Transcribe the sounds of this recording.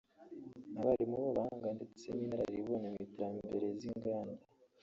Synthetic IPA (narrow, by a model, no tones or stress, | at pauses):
naβaɾimuβaβahaŋɡande̞t͡seminaɾaɾiβonamitiɾambe̞ɾe̞ziŋɡaːnda